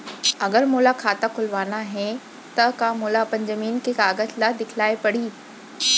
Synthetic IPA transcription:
ɐɡəɾmuːlakʰaːt̪akʰʊlʋaːnaɦẽ | t̪ɐkãːmoːlapɐ̃ɲd͡ʑəmiːnkʰekaːɡətʰlad̪ɪkʰɪlaːepɐɽ̤iː

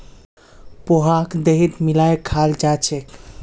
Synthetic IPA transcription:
poɦakd̪eɦit̪milaekʰald͡ʒat͡ʃʰek

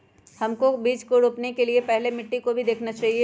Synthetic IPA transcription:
hɐmkobiːd͡ʒkoɾʊpnekeliepɛɦlemɪʈːikobʱid̪eːkʰnat͡ʃaːɦie

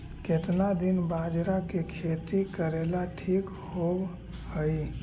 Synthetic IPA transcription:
ket̪nad̪inbad͡ʒɾakekʰet̪ikəɾelaʈʰik | hob | həj

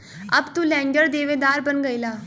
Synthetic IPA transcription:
əbt̪ulɛ̃ːɳɖəɾd̪eːʋed̪aːɾbənɡəilaː

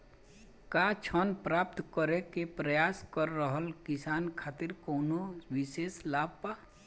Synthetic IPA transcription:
kat͡ʃʰənpɾaːp̚t̪kəɾekepɾəjaːskəɾːəɦəlkɪsaːnkʰaːt̪ɪɾkoːnoʋɪseːslaːb̚paː

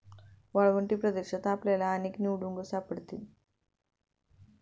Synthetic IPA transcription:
ʋɐɭʋɐɳʈipɾɐd̪eʂɐt̪aːplelaːniknjuːɖuŋɡɐsaːpːɐɽut̪ːin

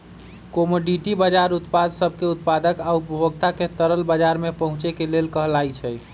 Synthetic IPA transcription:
komoɖiʈibəd͡ʒaɾut̪pad̪səbʱkeut̪̚pad̪əkaupbʱoɡt̪aket̪əɾəlbəd͡ʒaɾmepəɦũt͡ʃekelelkəɦlajt͡ʃʰɛj

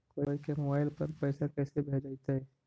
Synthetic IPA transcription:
koːikemobaːɪlpɐɾpɛːsakɛːsebʱɛːd͡ʒaɪt̪aɦɛː

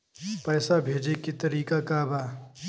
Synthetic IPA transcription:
pɛːsabʱeːd͡ʒekit̪ɐɾiːkakabʱaː

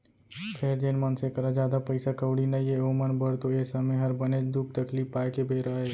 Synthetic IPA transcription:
pʰeːɾd͡ʒenmənsekəɾad͡ʒjaːd̪apəɪsakəwɽinəieomənbəɽt̪oeːsəmeɦəɾbəned̪uk̚ʰt̪əkliːpaːjkebʱeɾaɦeː

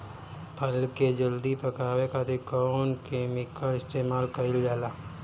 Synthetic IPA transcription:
pʰɐlked͡ʒəld̪ipəkaːwekaːt̪ikɔːnkeːmɪkaɪst̪eːmaːlkɐɪld͡ʒaːlaː

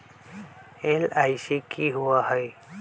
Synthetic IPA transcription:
elajsikiɦuaɦɔj

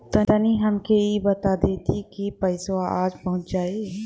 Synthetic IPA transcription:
t̪ɐəniɦɐmkeibɐt̪ad̪eːt̪ikipəɪsoaːd͡ʒpɐɦʊ̃t͡ʃd͡ʒaːe

